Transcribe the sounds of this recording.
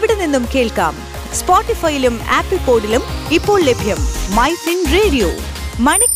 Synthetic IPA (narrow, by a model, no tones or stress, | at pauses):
ʋiɽɐnːinːumke̞ːɭka̰ːm | spoːʈːifɐjiluma̰ːpːipoːɖilumipːo̞ːɭlebʱjɐmːɐjsinreːɽijo̰ː | mɐɳi